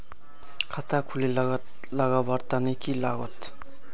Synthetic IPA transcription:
kʰat̪akʰule | laɡabaɾt̪anəjkilaɡɔt̪

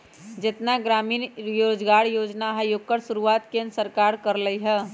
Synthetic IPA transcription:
d͡ʒet̪naɡɾaminjod͡ʒɡaɾjod͡ʒnaɦəjoɡ̚kːəɾsuɾuʋat̪kẽnsəɾkaɾkəɾləjɦə

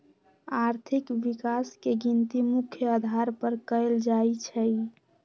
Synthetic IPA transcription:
aɾt̪ʰikbikaskeɡint̪imukʰjəəd̪ʱaɾpəɾkəɪld͡ʒajt͡ʃʰəj

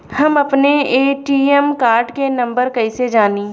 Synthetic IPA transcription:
hɐmɐpneeːʈiːɛmkaːɾɖkenɐ̃mbəɾkɐised͡ʒaːniː

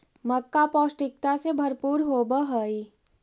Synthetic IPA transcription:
mɐkːapɔːsʈɪk̚t̪asebʱɐɾpuːɾɦoːbəɦoi

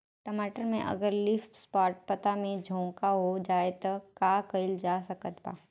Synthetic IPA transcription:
ʈəmaːʈəɾmẽʔɐ̰ɡəɾlɪfspaːʈ̚pət̪amẽd͡ʒʱõːkaɦod͡ʒaːet̪ɐkaːkəɪld͡ʒaːsɐkət̪ba̰ː

